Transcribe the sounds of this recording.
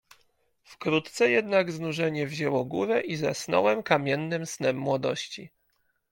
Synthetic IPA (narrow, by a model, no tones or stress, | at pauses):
fkɾut̪t̪sɛjɛd̪naɡznuʐɛɲɛvʑɛwɔɡuɾɛʔiza̰snɔ̰wɛmkamʲjɛnːɘmsnɛmːwɔd̪ɔ̰ɕt͡ɕi